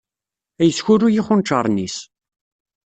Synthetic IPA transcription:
æjəsçʊɾujiχʊnt͡ʃːɑɾˤnis

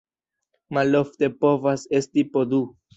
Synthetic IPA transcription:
malo̞fte̞po̞vase̞stipodu

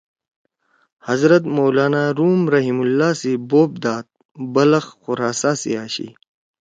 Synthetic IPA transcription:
hɐzɾɐt̪moːlaːnaːɾuːmɾɐɦimulːaːsiboːp̚d̪aːt̪̚ | bɐlɐxxʊɾaːsaːsḭaːɕḭ

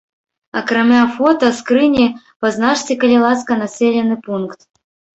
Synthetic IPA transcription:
ɐkrɐmʲafɔt̪ɐskrɨnʲi | pɐznaʂt͡sʲikɐlʲilˠaskɐnasʲelʲɛnːɨpunkt̪

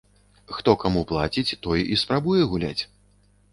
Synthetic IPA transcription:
xt̪ɔkamuplˠat͡sʲit͡sʲt̪ɔjispɾabujɛɣulʲa̰t͡sʲ

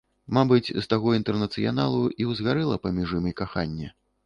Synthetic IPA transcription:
mabɨt͡sʲst̪aɣɔint̪ɛrnɐt̪sɨja̰nalˠuiwzɣaɾɛlˠɐpɐmʲiʐɨmɨjkaxanʲːɛ

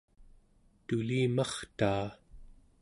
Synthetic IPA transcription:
t̪uliːmɑχt̪aː

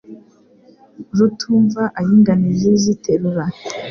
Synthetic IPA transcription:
ɾutʰuːɱvaʔajiŋɡanizizitʰeɾuɾa

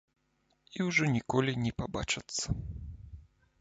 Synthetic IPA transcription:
iwʐɔnʲikɔlʲinʲɛpaba̰t͡ʂɐt̪sːɐ

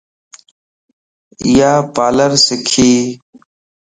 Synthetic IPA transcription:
ɪjaːpaːləɾsɪkʰiː

